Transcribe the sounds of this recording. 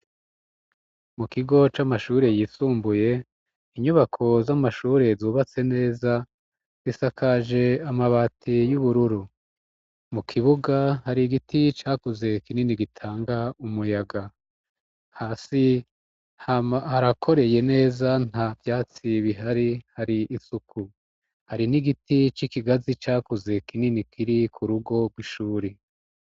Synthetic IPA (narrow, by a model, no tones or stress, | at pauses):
mukiɡo̞t͡ʃamaʃuːɾe̞jiːsuːmbuje̞ | iɲuβakʰo̞zamaʃuːɾe̞zuːβat͡se̞ne̞ːza | z̥isakʰaʒe̞amaβaːtʰijuβuɾuɾu | mukʰiβuɡahaɾiɡitʰit͡ʃaːkuze̞kininiɡitʰaːŋɡaumujaɡa | haːsi | ahaɾakʰo̞ɾe̞je̞ne̞ːzan̥avjaːt͡siβiɦaɾihaɾiisukʰu | haɾiniɡitit͡ʃikiɡazit͡ʃaːkuze̞kininikʰiɾikʰuɾuɡo̞ɡwiʃuːɾi